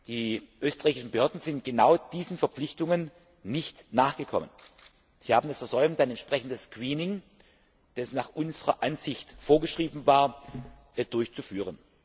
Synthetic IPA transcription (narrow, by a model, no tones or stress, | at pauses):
d̥iːʔøːstəʁ̥ɛːçɪʃn̩bəhøːɐdn̩zɪnt̚ɡ̥ənaʊd̥iːzən̩fɛɐpp͡flɪçtʊŋənː | ɪçtnaːχɡ̥əkʰɔmən | z̥iːhaːbm̩dasfɛɐzɔʏbəntaɪnɛntʃpʁ̥ɛçn̩dəskwiːnɪŋ | d̥ɛsnaːχʔʊnzəʁɐʔanz̥ɪçtfoːɐɡəʃʁ̥iːbn̩vaːɐ | d̥ʊɐçt͡sufyːʁ̞ən